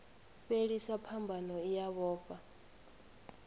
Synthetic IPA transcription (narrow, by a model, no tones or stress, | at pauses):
βeɺisapʰambʱanɔijaβɔːpʼa